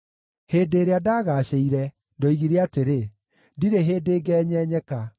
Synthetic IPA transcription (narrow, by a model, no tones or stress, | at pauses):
heːdeːɾeadaːɣaːɕeiɾɛ | ndɔiɣiɾeateɾe | diɾeɦeːdeːɡɛːɲɛːɲɛka